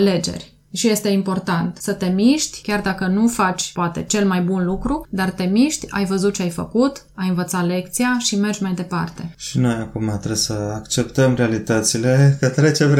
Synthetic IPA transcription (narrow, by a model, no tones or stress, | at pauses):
ale̞d͡ʒe̞̰rʲ | ʃije̞st̪e̞impo̞rt̪ant̪sət̪e̞miʃt̪ʲkʲard̪akənufat͡ʃʲpoat̪e̞t͡ʃe̞lmajbunlukɾud̪art̪e̞miʃt̪ʲa̰jvəzut̪̚t͡ʃeajfəkut̪ | ajɨnvət̪sat̪le̞kt̪sijaʃime̞rd͡ʒʲmajd̪e̞part̪e̞ʃino̞jakumat̪ɾesəakt͡ʃe̞pt̪əmrealit̪ət̪sile̞kət̪ɾet͡ʃem